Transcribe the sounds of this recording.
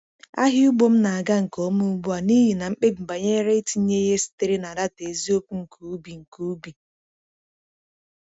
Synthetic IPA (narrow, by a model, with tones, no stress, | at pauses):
a̰˦ɦɪ˦u˦ɡ͡bo˦m̩˦na˨a˨ɡa˦ŋ̩˨ko˦mu˦ɡ͡bu˦a˨ni˦ɦi˨na˨ŋ͡m̩˦k͡pe˦ŋ͡m̩˨ba˨ɲe˦ɾe˦ti˨˦ɲe˦ɦe˦si̥˦te˦ɾi˦na˨da˦te˨zi˦o˦pu˦ŋ̩˨kʰu˨u˦bi˨ŋ̩˨ku˨u˦bi˨